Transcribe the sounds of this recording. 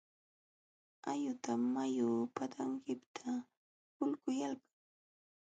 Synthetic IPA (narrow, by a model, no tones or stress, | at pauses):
ajʊt̪amːajʊpat̪ʰaŋkɪpt̪ʰa | hʊlkʊjalkḁŋ